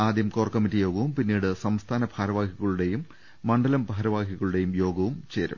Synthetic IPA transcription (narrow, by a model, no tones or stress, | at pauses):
aːd̪jɐmkoːrkːɐmitːijo̞ːɡɐʋumpinːiːɽɨsɐmst̪ʰaːnɐbʱaːɾɐʋaːɡʰʱiɣɐɭuɽe̞jumː | ɐɳɖɐlɐmbɐɦɐɾɐʋaːɡʱiɣɐɭuɽe̞jumjo̞ːɡɐʋumt͡ɕe̞ːɾɐ̰m